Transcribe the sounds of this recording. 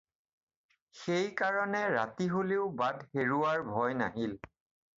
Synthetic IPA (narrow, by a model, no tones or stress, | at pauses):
xejkaɹɔnɛɹa̰tiɦoleʊbadʱheɹuaɹbʱɔjna̰ɦil